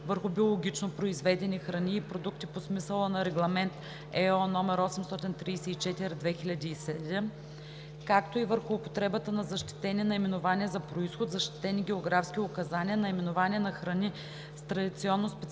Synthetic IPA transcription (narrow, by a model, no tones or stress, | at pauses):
vəɾxʊbiolˠoɡʲit͡ʃnopɾoizvɛd̪ɛnixɾɐniːpɾod̪uk̚t̪iposmisəlˠənɐɾɛɡlˠɐmɛnt̪ | ɛɔnɔmɛɾɔsɛmst̪ɔt̪int̪ɾiːsɛit͡ʃɛt̪iɾid̪vɛxilʲɐd̪iːsɛd̪ɛm | kakt̪oivəɾxʊːpo̥t̪ɾɛbət̪ənɐzɐʃt̪i̥t̪ɛniɛnɐimɛnʊvanʲiɛzɐpɾoisxot̪zɐʃt̪i̥t̪ɛniɡʲɛoɡɾafskʲiʊkɐzanʲiɛnɐimɛnʊvanʲiɛnɐxɾɐni | st̪ɾɐd̪it̪siɔnːospɛt̪